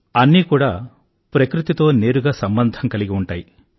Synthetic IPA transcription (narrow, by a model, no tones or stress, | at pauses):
ɐnːiːkuːɽaː | pɾɐkɾut̪it̪o̞ːne̞ːɾuɡaːsɐmbɐnd̪ʱɐŋkɐliɡiuɳʈaːji